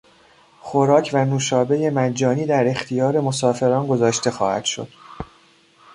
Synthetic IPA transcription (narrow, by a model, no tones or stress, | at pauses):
xoɾɒːcʰvænuːʃɒːbe̞jemæd͡ʒːɒːniːd̪æɾe̞xt̪ʰijɒːɾe̞mo̞sɒːfe̞ɾɒːnɡo̞zɒːʃt̪e̞xɒːhæ̰d̪ʃo̞̰d̪̥